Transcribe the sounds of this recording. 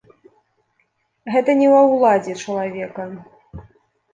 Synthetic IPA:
ɣɛt̪ɐnʲɛwɐwlˠad͡zʲɛt͡ʂɐlˠavʲɛkɐ

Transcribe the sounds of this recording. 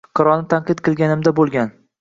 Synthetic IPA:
qʰɑɾɒnɪt̪ʰanqɨt̪qʰɨlˠɡʲanɪmd̪abolˠɡʲan

